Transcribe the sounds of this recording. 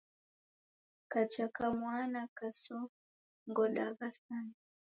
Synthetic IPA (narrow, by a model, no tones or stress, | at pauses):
kat͡ʃakamwanakasɔ | ŋɡɔɗaɣasan